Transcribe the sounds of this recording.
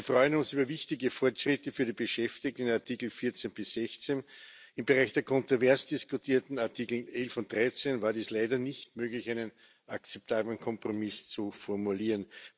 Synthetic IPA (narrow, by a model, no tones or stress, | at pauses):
ɐfʁɔʏənʊnsyːbɐvɪçtɪɡəfɔɐtʃʁ̥ɪtəfyːɐɾiːb̥əʃɛftɪk̚tn̩aɐtʰiːkl̩fɪɐt͡senb̥ɪsz̥ɛçt͡sen | ɪmbeʁaɪçd̥eːɐkʰɔ̃ntʁovɛɐsd̥ɪskʊtʰiːɐtn̩aɐtʰikl̩ʔɛlfʊnt̚d̥ʁaɪt͡senvaːɐdiːslaɪdɐnɪçtmøːɡlɪçæɪnən | ʔak̚t͡sɛp̚tʰaːblənkʰɔ̃mpʁ̥omɪst͡sufɔɐmuliːʁən